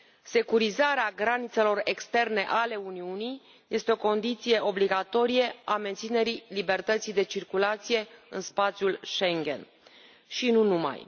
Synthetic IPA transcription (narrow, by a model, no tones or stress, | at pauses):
se̞kuɾizaɾeaɡɾanit̪se̞lo̞rekst̪e̞rne̞ʔale̞uniunij | je̞st̪eo̞ko̞nd̪it̪sije̞ʔo̞bliɡat̪o̞ɾijeame̞nt̪sine̞ɾilibe̞rt̪ət̪sijd̪e̞t͡ʃirkulat̪sije̞ɨnspat̪sjulʃe̞ŋɡʲe̞̰n | ʃinunuma̰j